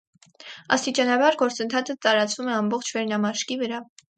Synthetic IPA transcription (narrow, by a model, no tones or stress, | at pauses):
ɑ̰st̪it͡ʃɑnɑbɑɾɡɔɾt͡sənt̪ʰɑt͡sʰət̪ɑɾɑt͡svumɛɑmbɔχt͡ʃʰvɛɾnɑmɑʃkivəɾɑ